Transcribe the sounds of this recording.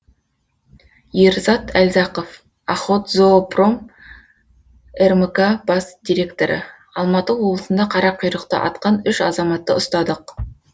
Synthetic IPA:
jeɾzɑt̪ælzɑqof | ɑχo̞t̪zopro̞m | erməkabɑsd̪iɾʲe̞kt̪o̞ɾə̰ | ɑlˠmɑt̪əwo̞blˠəsənd̪ɑqʰɑɾɑp̚qʰijɾəqt̪ə̰ʔɑ̰t̪̚qɑnʏʃɑzɑmɑt̪ːəʊst̪ɑd̪əq

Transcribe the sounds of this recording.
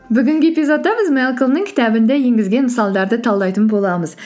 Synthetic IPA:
bʏɡʲɪŋɡʲɪepizo̞t̪ːɑbɪzmelˠkəlˠnəŋkʲʰɪ̥t̪æbɪnd̪ejeŋɡʲɪzɡʲe̞nməsɑlˠd̪ɑɾd̪ət̪ʰɑlˠd̪ɑjt̪ənbolˠɑməz̥

